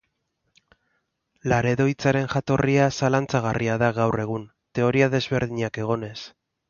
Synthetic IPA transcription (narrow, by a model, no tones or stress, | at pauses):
laɾe̞ðo̞jt͡saɾe̞nʝat̪o̞riasalant͡saɣ̞arʔiaðaɣawre̞ɣ̞un | t̪e̞o̞ɾiað̞e̞zβe̞ɾð̞iɲake̞ɣ̞o̞ne̞s